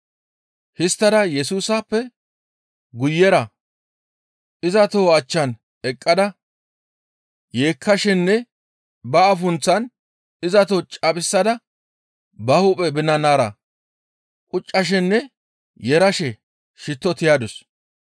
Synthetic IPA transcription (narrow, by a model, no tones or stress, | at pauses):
hɪst̪ːɐd̪ɐjɛsuːsapːɛ | ɡʊjːɛɾɐ | ɪzɐt̪oːɐt͡ʃːɐn | ɛkʼːɐd̪ɐ | je̞ːkʰːɐʃɛnːɛ | bɐːfʊnt͡sːɐn | ɪzɐt̪oːt͡ʃʼɐpʼɪsːɐd̪ɐ | bɐhʊpʼɛbɪnːɐnaːɾɐ̰ | kʼʊt͡ʃʼːɐʃ̬ɛnːɛ | jɛɾɐʃɛ | ʃɪt̪ːɔt̪ɪjaːd̪ɔs